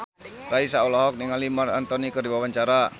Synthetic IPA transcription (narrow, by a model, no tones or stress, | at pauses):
raisaulɔɦɔk̚niŋalimara̰nt̪ɔnikərdiwawaɲt͡ʃaɾa